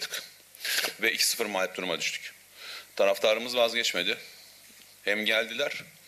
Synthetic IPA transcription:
d̪ʰɯk | vɛicʰi̥sɯ̥fɯɾmaːjʲp̪̚uɾumad̪yʃt̪ʰy̥c | t̪ʰaɾaft̪ʰaɾɯmɯzvazɟɛt͡ʃme̞d̪ɪ | hɛmɟælʲd̪ilʲæɾ̥

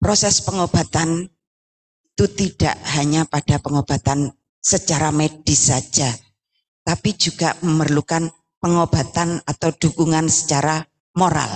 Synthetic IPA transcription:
pɾosɛspəŋob̥a̤t̪an | iit̪ut̪iɖ̥a̰ʔɦaɲapad̥apəŋob̥a̤t̪an | sət͡ʃaɾamed̥isḁd͡ʒ̥a | t̪apid͡ʒuɡ̥aʔməmərlukan | pəŋob̥a̤t̪anat̪awɖ̥ṳkuŋansə̥t͡ʃaɾa | moɾa̰l

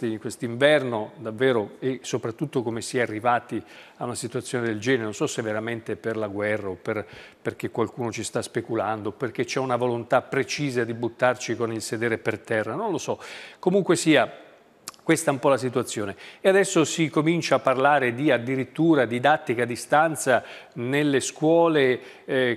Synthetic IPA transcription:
iŋkwest̪iɱvɛrnod̪avːeːɾoesːopɾat̪ːut̪ːokomesiɛarːivaːt̪iaunasit̪uat̪sːjoned̪eld͡ʒɛːneɾnonsɔsevːeɾament̪eperlaɡwɛrːaoperperk̟ekːwalkuːnot͡ʃist̪aspekuland̪operk̟et͡ʃːɛunavolont̪apɾet͡ʃiːzad̪ibut̪ːart͡ʃikonilsed̪ɛːɾepert̪ɛrːanõnlosɔkomuŋkwesiːa | kwest̪aumpɔlas̬it̪uat̪sːjoːneead̪ɛsːosikomint͡ʃaːpːarlaːɾed̪iad̪ːiɾit̪ːuːɾad̪id̪at̪ːikad̪ist̪ant̪sanelːeskwɔːle

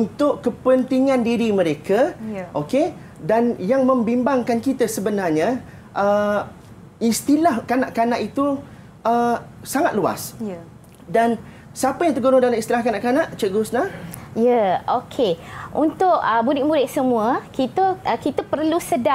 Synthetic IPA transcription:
unt̪ʊʔkːəpənt̪iŋãndiɾimə̃ɾekəʔoke | danjaŋmə̃mbimbaŋkankit̪əsəbənarɲa | ʔə | ist̪ilahkanaʔkanaʔit̪u | ə | saŋat̪̚lua̰s | dan | səapəjaŋt̪əɡonodalaist̪ilahkanaʔkanaʔt͡ʃəɡʊsnajəokʰeʔunt̪ʊʔəbudɪk̚bulɪʔsəmũəkit̪əʔəkit̪əpərlusəda

